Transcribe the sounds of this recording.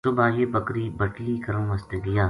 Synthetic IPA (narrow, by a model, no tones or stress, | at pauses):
sʊbaːjeːbəkɾiːbəʈliːkɐɾəmʋɐst̪eɡɪjaː